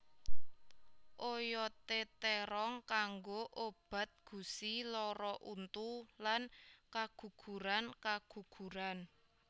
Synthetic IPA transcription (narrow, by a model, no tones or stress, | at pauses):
ʔojɔt̪et̪eɾɔŋkaŋɡoʔob̥ä̤t̪̚ɡ̥ṳsilɔɾɔʔunt̪ulankaɡ̥ṳɡ̥ṳɾankaɡ̥ṳɡ̥ṳɾan